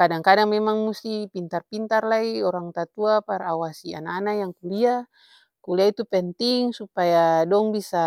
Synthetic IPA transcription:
kadaŋkadaŋmɛmaŋmust̪ipint̪arpint̪arlaiɔɾaŋt̪at̪uapaɾaawasia̰nanajaŋkulia | kuliait̪upɛnt̪iŋsupajadɔŋbisa

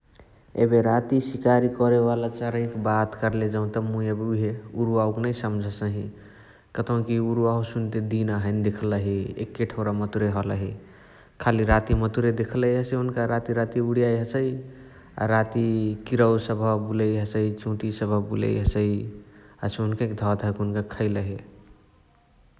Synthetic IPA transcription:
ḛbeɾat̪isikaɾikɔɾeβalat͡ʃəɾə̃j̃kbat̪kəɾled͡ʒaũt̪əmũiebuiɦeuɾuauknəisəmd͡ʒʱəsəɦĩ | kət̪ʰə̃kiuɾuausunt̪ed̪inaɦəɪnd̪ekʰləɦiḛkːeʈʰəɾamət̪uɾeɦɔlə̰ɦi | kʰaliɾat̪imət̪uɾed̪ekʰləɦiɦəseunkaɾat̪iɾat̪iuɽijajɦəsəi | a̰ɾat̪ikiɾəwsəbʱəbuləjɦəsəit͡ʃõʈisəbʱəbulə̰jɦəsəiɦəseunkaked̪ʱɔt̪ɦəkunkakʰəɪləɦi

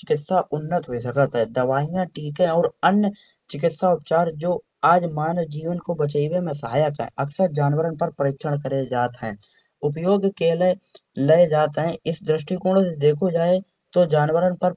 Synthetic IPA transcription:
t͡ʃɪkɪt̪saʔʊnːət̪ɦoisəkət̪ɦɛ̃d̪əʋaːijãʈiːkẽɔːɾənjə | t͡ʃɪkɪt̪saʊpt͡ʃaːɾd͡ʒoː | aːd͡ʒmaːnwd͡ʒiːʋənkobət͡ʃaiwemẽsəɦaːjəkɦɛ̰̃ʔɐksəɾd͡ʒaːnwəɾənpəɾpɾeːkʃəɽ̃kəɾed͡ʒaːt̪ɦɛ̰̃ː | ʊpjoːɡkeːleləed͡ʒaːt̪ɦɛ̃ɪsd̪ɾɪʃʈikʊɾɽ̃sed̪eːkʰod͡ʒaːe | t̪od͡ʒaːnwəɾənpəɾ

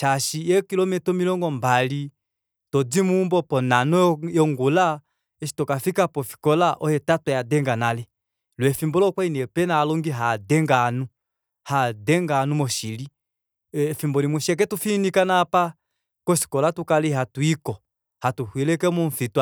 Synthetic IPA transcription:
t͡ʃaʃijɛkilɔmɛtɔmilɔŋɡɔmbali | tɔd͡zimumbɔpɔnanɔjɔŋɡula | ɛʃi̥tɔkafikapɔfi̥kɔlaʔɔhɛtatwɔjadɛŋɡanalɛ | lwɛfimbɔlɔkwainɛpɛnaːlɔŋɡiɦadɛŋɡanu | hadɛŋɡanumɔʃili | fimbɔlimuʃiɛk̬ɛtufinikanapa | kɔʃi̥kɔlatukaliɦatuikɔ | hatuhwilɛkɛmɔɱ̩fitwa

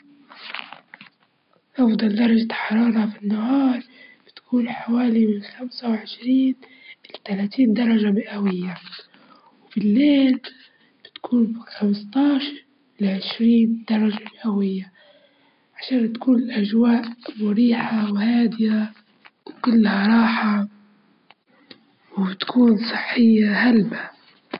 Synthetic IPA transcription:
ʔɑfd̪ˤɑld̪ɑɾˤɑʒaħɑɾˤɑːɾˤɑfinːahɑːɾˤb̥ɪt̪kʰuːnħawaːlimɪnxamsawʕɪʃɾiːn | ʔɪlat̪alaːt̪iːnd̪ɑɾˤɑʒamɪʔawɪjːa | wbɪlːeːl | b̥ɪt̪kʰuːnbɪxamst̪ˤɑːʃɾ | ɪlaʕɪʃɾiːnd̪̥ɑɾˤɑʒamɪʔawɪjːa | ʕaʃaːnt̪kuːnɪlʔaʒwaːʔmʊɾiːħawhaːd̪ɪja | wkʊlːhaɾˤɑːħa | wbɪt̪kʰuːnsˤɨħːɪjːahalba

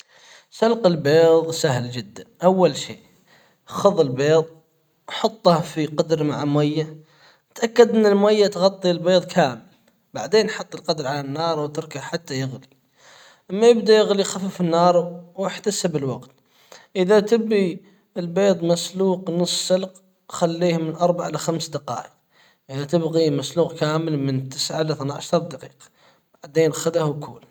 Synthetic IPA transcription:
salqɪlbeːðˤsahld͡ʒɪd̪ːanʔawːalʃḭː | xʊðˤɪlbeːðˤ | ʔħɑt̪ˤːɑhfiqɑd̪ɾmaʕamwajːa | t̪ʔakːad̪ʔɪnːɪlmajːat̪ɣɑt̪ˤːilbeːðˤkʰaːmɪl | baʕd̪eːnħɑt̪ˤːəlqɑd̪ɾʕalanːɑːɾˤwt̪ɪɾkaħat̪ːajɪɣli | ʔamːajɪbd̪ajɪɣlijxafɪfɪnːɑːɾˤwɪħt̪asɪbəlwaɡt̪ | ʔɪðat̪ɪbɣi | əlbeːd̪ˤmasluːqnɨsˤsəlq | xalːiːhmɪnʔɑɾˤbaʕaɪlaxamsd̪aqɑ̰ːʔəq̚ | ʔɪðat̪ɪbɣimasluːqkaːməlmɪnt̪ɪsʕalaθnʕaʃɑɾˤd̪aqiːqɑ̥ | b̥aʕd̪eːnxad̪ahwkʰṵːl

